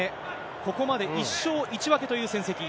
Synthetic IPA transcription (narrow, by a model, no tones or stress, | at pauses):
e | ko̞ko̞mad̪e̞iɕːo̞ːʔit͡ɕiβake̞t̪o̞jɯ̟ːsẽ̞ɰ̃se̞kʲi